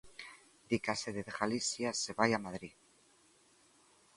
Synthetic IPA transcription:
d̪ikaseðeðeɣalisjaseβajamaðɾi

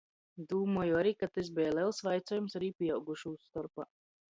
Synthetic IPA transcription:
d̪uːmuɔjuaɾiːkat̪ez̬bɛjlɛlˠsvajt̪sɔːjumsaɾiːpʲiɛawɡuʃuːsːt̪ɔɾpa

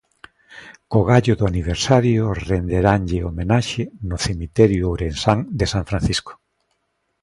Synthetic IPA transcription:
koɣaʎʊðʊaniβ̞eɾsaɾjʊrend̪eɾaŋʎɪomenaʃɪnʊθemit̪ɛɾjʊowɾensaŋd̪esãɱfɾãn̟θisko̥

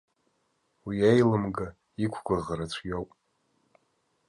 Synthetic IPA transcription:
wiejlɨmɡa | ikʷʰɡʷaʁaɾat͡sʷʰjowpʼ

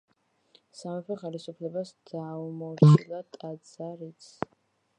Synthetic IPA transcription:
samɛpʰɛχɛlisupʰlɛbasd̪̥aumɔɾtilˠat̪ʼad̪z̥aɾit̪sʰ

